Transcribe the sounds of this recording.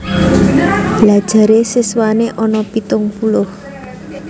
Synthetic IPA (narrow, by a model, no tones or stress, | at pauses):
b̥lad̥ʒ̥a̤ɾesiswaneʔɔnɔpit̪ʊŋpulʊh